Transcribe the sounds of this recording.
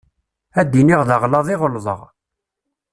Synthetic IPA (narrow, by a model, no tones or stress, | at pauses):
æd̪ːiniʁðəʁlɑðˤiʁəlðˤə̰ʁ